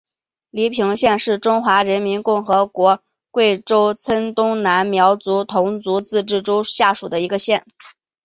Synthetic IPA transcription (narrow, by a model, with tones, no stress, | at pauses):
li˧˥pʰi˧˥ŋɕjɛ˥˧nʂɻ̩˥˩ʈ͡ʂʊ˥ŋxwa˧˥ɻə˧˥nmi˧˥nkʊ˥˩ŋxɤ˧˥kwɔ˧˥ | kwe˥˩ɪʈ͡ʂo˥ʊt͡sʰə˥nt̪ʊ˥ŋna˧˥nmjɑ˧˥ʊt͡su˧˥t̪ʰʊ˧˥ŋt͡su˧˥t͡sɹ̩˥˧ʈ͡ʂɻ̩˥˩ʈ͡ʂo˥ʊɕja˥˩ʂu˨˩d̪ə˦i˧˥ɡə˧ɕjɛ˥˩n